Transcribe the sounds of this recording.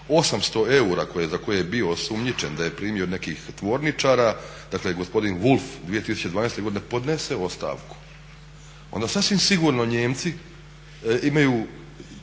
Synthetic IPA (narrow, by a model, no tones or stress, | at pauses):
o̞samst̪o̞e̞uɾako̞jezako̞jejebio̞sumɲit͡ʃend̪aje̞pɾiːmiod̪ne̞kiːxt̪ʋo̞ɾnit͡ʃaːɾad̪akleɡo̞spo̞d̪inʋulˠfd̪ʋije̞t̪isut͡ɕeʋaːnejst̪e̞ɡod̪inepo̞d̪neseo̞st̪a̰ːʋku̥ | ond̪asasʋimsiɡuɾno̞ɲeːmt̪si | imajuː